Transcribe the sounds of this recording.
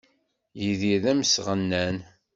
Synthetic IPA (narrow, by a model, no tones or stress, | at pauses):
jiðiðæmsʁənːæn